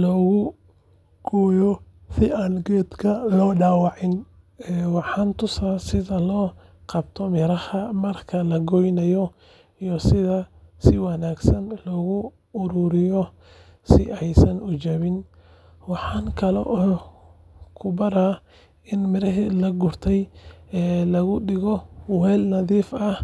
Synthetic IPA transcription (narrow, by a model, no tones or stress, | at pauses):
lɔːɣʊ | ɡ̥ɔːjɔ | sɪaːnɡɛːd̪kʰɐlɔːɖaːwɑʕɪn | ɛːwɑħɑːnt̪ʰʊsaːsɪðɐlɔː | qɑbt̪ʰɔmɪɾɐhɐmɐrkʰɐlɐɡɔjnɐjɔ | ijɔsɪðɐsɪwɑnaːɡsɐnlɔːɣʊː | ɾʊɾɪjɔ | sɪʔɛjsɐnʔʊt͡ʃɐβɪn | wɑħɑːŋkʰɐlɛ̰ʔɔ | kʰʊbɐɾaː | ʔɪnmɪɾɐɦilɐɡʊrt̪ʰɛjɛːlɐɣʊɖɪɣɔwɛːlnɐðiːfɐh